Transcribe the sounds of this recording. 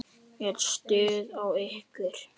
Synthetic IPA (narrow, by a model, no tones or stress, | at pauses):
ɛɾst̪ʏːðawehkʏɾ̥